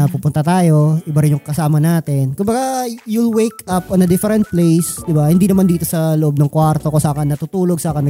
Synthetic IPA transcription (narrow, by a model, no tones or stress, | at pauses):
pupʊnt̪ɐt̪aːjo̞ʔɪbaɾɪnjʊŋkɐsaːmɐnaːt̪ɪnkʊmbɐɡajulwejkʔapʔɔnɐd̪ɪfɛɾɛnt̪̚plejsd̪ɪbahɪnd̪iːnɐmand̪iːt̪o̞sɐloʔo̞b̚nɐŋkwaɾt̪okosaʔːkɐnːɐt̪ut̪uːloɡ̚saːkɐn